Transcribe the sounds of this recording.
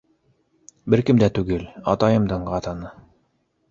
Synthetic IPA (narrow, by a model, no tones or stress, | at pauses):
bɘɾkɘ̆md̪æt̪ʉɡɘlɑ̰t̪ɑjɤ̆md̪ɤɴɢɑt̪ɑnɤ